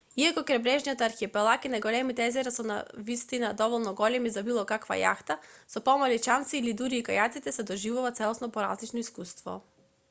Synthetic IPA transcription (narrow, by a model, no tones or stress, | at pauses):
iakɔkɾɛbɾɛʒnijat̪ːɾxipɛlˠakinaɡolɛmit̪ɛɛzɛɾasɔna̰vist̪inad̪ɔvɔlˠnɔɡɔlɛmizabilˠɔkakva̰ja̰xt̪asɔpɔmalit͡ʃant̪siːlid̪uɾiːkajat̪sit̪ɛsɛd̪ɔʒivuvat̪sɛlˠɔsnɔpɔɾa̰zlit͡ʃnɔiskust̪vɔ̰